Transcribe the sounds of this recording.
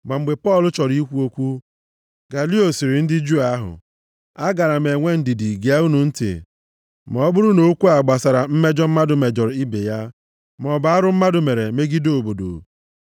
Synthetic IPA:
ma˨m̩˨ɡ͡be˨pɔ˦˨lʊ˦t͡ʃɔ˨ɾi˦kʷu˦o˦kʷu˦ | ɡa˨li˦o˨si˨ɾɪ˨n̩˦dɪ˦d͡ʒu˦a˦ɦʊ̰˨ | a˦ɡa˨ɾa˨me˨ŋʷe˦n̩˨di˨di˨ɡe˨a˦u˦nu˨n̩˦tḭ˨ | mɔ˨ɔ˦bʊ˦ɾʊ˦no˦kʷu˦a˨ɡ͡ba˨sa˨ɾa˨m̩˦me˦d͡ʒɔ˦m̩˦ma˦dʊ˨me˨d͡ʒɔ˨ɾi˦be˨ja˦ | m˨ɔ˨ba˨˦a˦ɾʊ˦m̩˦ma˦dʊ˨me˨ɾe˨me˦ɡi˦do˨bo˨do̰˨

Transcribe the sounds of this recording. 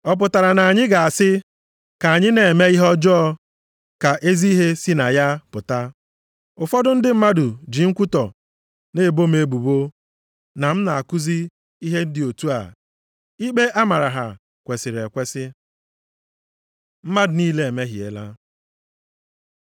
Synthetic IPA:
ɔ˦p̬ʊ˨ta˨ɾa˨na˨a˨ɲɪ˦ɡa˨a˨sɪ˦ | ka˨a˨ɲɪ˦ne˨e˨me˦i˦ɦɔ˦d͡ʒɔ˦ɔ˦ | ka˨ʔe˦zi˦i˦ɦe˦si˦na˨ja˦pʊ˨ta˦ | ʊ˨fɔ˦dʊ˦n̩˦dɪ˦m̩˦ma˦dʊ˨d͡ʒi˨ŋ̩˦kʷu˦tɔ˨ | ne˦˨bo˦me˦bu˨bo˦ | na˨m̩˦na˨a˨ku˦zi˦ | i˦ɦe˦n̩˦dɪ˨o˨tu˦a̰˨ | i˦k͡pe˦ʔa˦ma˨ɾa˨ɦa̰˨ | kʷe˨sɪ˨ɾe˨kʷe˦sɪ˦ | m̩˦ma˦dʊ˨niː˦le˨e˨me˦ɦi˨ḛ˨la̰˦

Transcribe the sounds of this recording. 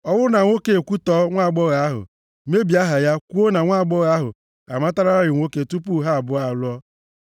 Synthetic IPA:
ɔ˦wʊ˦na˨ŋʷo˦ke˦˨kʷu˦tɔ˦ŋʷa˦˨ɡ͡bɔ˦ɣa˨a˦ɦʊ̰˨ | me˦bi˨a˦ɦa˨ja˦kʷu˦o˦na˨ŋʷa˦˨ɡ͡bɔ˦ɣa˨˦a˦ɦʊ̰˨ | a̰˨ma˦ta˦ɾa˦a˦ɾɪ˨ŋʷo˦ke˦tu˦pu˦ɦa˦a˨bʊ˦a˨lʊ˦ɔ˦

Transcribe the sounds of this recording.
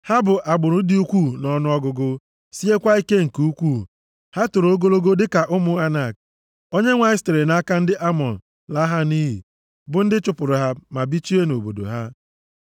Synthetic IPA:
ha˦bʊ˨ʔa˨ɡ͡bʊ˨ɾʊ˨˦dɪ˦u˦kʷu˦˨nɔ˨nʊ˦ɔ˦ɡʊ˨ɡʊ˦ | si˦e˦kʷa˦i˦ke˦ŋ̩˨ku˦kʷu˦ | ha˦tʊ˨ɾo˦ɡo˦lo˦ɡo˦dɪ˦ka˨ʔʊ˦mʊ˨a˦na˨k̚ | o˦ɲe˦ŋʷa˨ɪ˦ste˨ɾe˨na˦a˦ka˦n̩˦dɪ˦ʔa˦mɔ̰˨n̩˨ | la˦ɦa˦ni˦ɦḭ˨ | bʊ˨n̩˦dɪ˦t͡ʃʊ˨pʊ˨ɾʊ˨ɦa˦ma˨bi˦t͡ʃi˦e˦no˨bo̰˨do̰˨ɦa˦

